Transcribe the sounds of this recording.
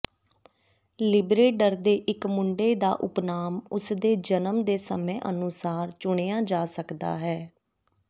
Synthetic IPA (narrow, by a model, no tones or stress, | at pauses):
lɪbɾeːɖəɾd̪eːʔɪkmʊɳɖeːd̪a̰ːʔʊpnaːmʊsd̪eːd͡ʒənəmd̪eːsəmẽːʔənʊsaːɾt͡ʃʊɳeːaːd͡ʒaːsəkd̪a̰ːɦɛː